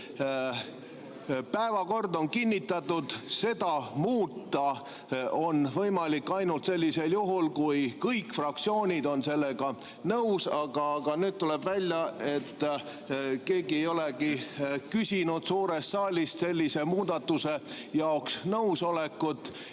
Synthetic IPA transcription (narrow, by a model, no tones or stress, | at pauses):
pæevɑko̞rd̪o̞nkinʲːit̪ːˑɑt̪ːud̪̥se̞d̪̥ɑmuːt̪ˑːɑ | o̞nvɤ̞jmɑlikːɑjnult̪se̞lʲːise̞ljuɦulkujkɤjkːfrɑk̚t̪sio̞ːnʲid̪o̞nse̞lːeɡ̥ɑ | nɤwsɑɡ̥ɑɡɑnyːd̪̥̚t̪ulɛb̥vælʲjɑe̞t̪ː | ke̞ːɡiejo̞lekikysʲinud̪suːɾest̪sɑːlʲist̪se̞lʲːise̞muːd̪̥ɑt̪ːuse̞ | jɑoksnɤwso̞lekːˑut̪ːˑ